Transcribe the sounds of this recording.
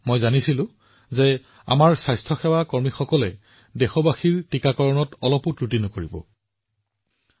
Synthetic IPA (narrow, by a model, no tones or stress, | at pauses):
mojzanisilʊ̃ | zɛ | a̰maɹsajstʰɔxɛwakɔɹmixɔkɔlɛ | dɛxɔbaxiɹtikakɔɹɔnɔtɔlɔpʊtɹutinɔkoɹibɔ̰